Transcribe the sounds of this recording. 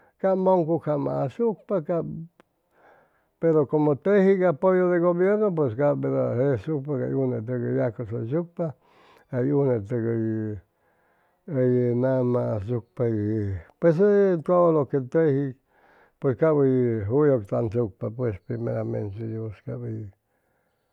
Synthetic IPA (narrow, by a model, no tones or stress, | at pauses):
kamoŋkukʰamã̰asuk̚paka | peɾokomot̪ehikapojoðeɡoβjeɾnop̬wes̬kabeɾohesuk̚paka̰junet̪̬ekəjakososuk̚pa | ajunet̪eɡəj | əjenamasuk̚papwes̬et̪oloket̪ehi | pweskabiɦujokt̪ansuk̚papwespɾimeɾamḛ̃nsejuskabi